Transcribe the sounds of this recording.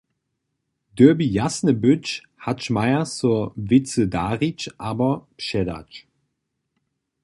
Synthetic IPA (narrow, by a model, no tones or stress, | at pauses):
d̥øɐbijasnəbʏt͡ʃ | hatʃmaɪɐsuɐvɪt͡sədaːʁit͡ʃʔaːbɐpʃɛda̰t͡ʃ